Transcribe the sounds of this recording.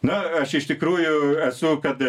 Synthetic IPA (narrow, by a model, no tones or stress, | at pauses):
nʊɐʃɪʃt̪ʲɪkɾuːjʊɛsʊkɐt̪